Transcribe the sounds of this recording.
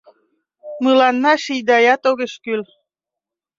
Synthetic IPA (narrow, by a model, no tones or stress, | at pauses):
mɯlɑnːɑʃijd̪ɑjɑt̪oɣeʃkyl